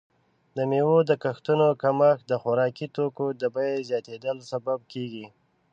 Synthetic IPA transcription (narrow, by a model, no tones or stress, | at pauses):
d̪əmewod̪əkaxt̪unokamaxd̪əxʊɾɑkit̪okod̪əbajezjɑt̪ed̪əlsabab̚keɡi